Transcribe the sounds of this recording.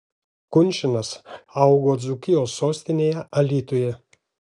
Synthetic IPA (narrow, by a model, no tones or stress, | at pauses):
kʊnʲʃʲɪnɐsɐʊɡoːd̪zʊkʲɪjoːsːoːsʲt̪ʲɪnʲeːjɛʔɐlʲiːt̪ojɛ